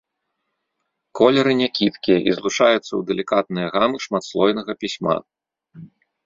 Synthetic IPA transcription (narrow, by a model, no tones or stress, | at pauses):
kʰɔlʲɛɾɨnʲakʲit̪kʲijɐʔizlˠut͡ʂajut̪sːɐwd̪ɛlʲikat̪nɨjɐɣamɨʂmat̪slˠɔjnɐɣɐpʲisʲma̰